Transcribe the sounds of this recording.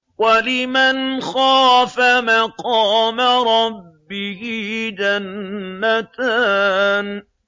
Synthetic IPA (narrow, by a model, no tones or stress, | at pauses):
walɪmanxaːfamaqɑːmaɾˤɑbbːɪhɪd͡ʒanːat̪aːn